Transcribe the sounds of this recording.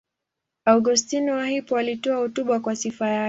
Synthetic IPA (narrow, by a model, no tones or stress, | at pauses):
aɡustinɔwahipɔalitɔahɔtuɓakwasifaja